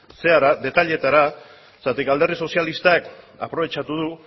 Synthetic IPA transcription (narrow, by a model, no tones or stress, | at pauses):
se̞aɾad̪e̞t̪aʎe̞t̪aɾa | sat̪ikald̪e̞rðiso̞sialist̪ak | a̰pɾo̞βe̞t͡ʃat̪uð̞u